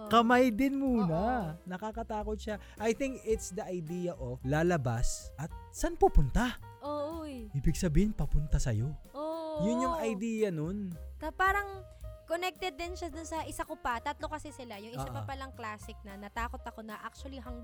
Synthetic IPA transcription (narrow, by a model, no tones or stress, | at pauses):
kɐmajd̪ɪnmuːnɐnɐkakɐt̪aːkot̪̚ʃa | ʔɐjθɪŋkɪt̪sd̪ɐʔɐjd̪iːjɐʔoflaːlɐbasʔɐt̪̚ | sanpupʊnt̪a | ʔoːʔjʔiːbɪɡsɐbiːhɪnpɐpʊnt̪ɐsɐ̰jo̞ʔoːʔjʊnjʊŋʔɐjd̪iːjɐnont̪ɐpaːɾɐŋ | konɛk̚t̪ɛd̪ːɪnʃad̪ʊnsɐʔɪsakopɐt̪ɐt̪lokɐsɛsɪlajʊŋʔɪsapɐpɐlɐŋklaːsɪk̚nɐnɐt̪aːko̞t̪ɐko̞nɐʔak̚t͡ʃʊɐliɦɐŋ